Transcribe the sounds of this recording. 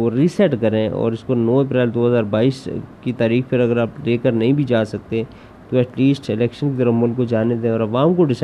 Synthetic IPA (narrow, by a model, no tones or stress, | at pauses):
oɾiːsɛʈkɐɾẽɔ̰ːɾɪskonɔːɐp̬ɾɛːld̪oːɦəzaːɾbaːiːskit̪aːɾiːxpʰɪɾɐɡəɾaːpleːkəɾnɐɦĩbʱid͡ʒaːsɐk̚t̪ẽ | t̪oɛʈliːsʈɪlɛːkʃənkit̪əɾəfmʊlkːod͡ʒaːned̪ẽɔːɾɐʋaːmkoɖɪsa